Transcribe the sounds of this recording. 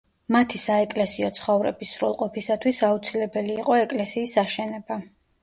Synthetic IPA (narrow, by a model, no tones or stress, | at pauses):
mat̪ʰisaɛkʼlɛsiɔt̪sʰχɔvɾɛ̰bisɾulˠqʼɔpʰisat̪ʰwisaut̪sʰilɛbɛliːqʼɔɛkʼlɛsiːsaʃɛnɛba